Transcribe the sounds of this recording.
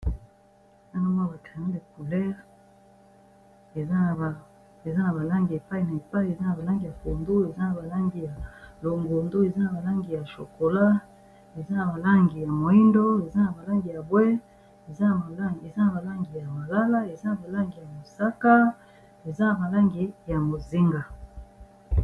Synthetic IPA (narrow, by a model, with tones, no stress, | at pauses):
a˦na˦mo˦˨ba˨tʰa˨na˦le˨k̚u˨lɛ˦ʁ | e˨za˦˨ | e˨za˦na˨ba˨la˦ŋɡi˨e˨pa˦i˨na˨e˨pa˦i˦˨e˨za˦na˨ba˨la˦ŋɡi˨ja˨fo˨ndo˦e˨za˦na˨ba˨la˦ŋɡi˨ja˨lo˨ŋɡo˨ndo˦e˨za˦na˨ba˨la˦ŋɡi˨ja˨ʃo˨ko˨la˦ | e˨za˦na˨ba˨la˦ŋɡi˨ja˨mo˨i˦ndo˦e˨za˦na˨ba˨la˦ŋɡi˨ja˨bwe˦ | e˨za˦n˨˦e˨za˦na˨ba˨la˦ŋɡi˨ja˨ma˨la˦la˦e˨za˦na˨ba˨la˦ŋɡi˨ja˨mo˨sa˦ka˦ | e˨za˦na˨ba˨la˦ŋɡi˨ja˨mo˨zi˦ŋɡa˨